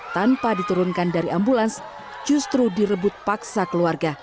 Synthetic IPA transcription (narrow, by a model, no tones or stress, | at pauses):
t̪ampadit̪uɾʊnkandaɾiʔambulans | d͡ʒust̪ɾudiɾəbʊt̪̚paksakəluarɡa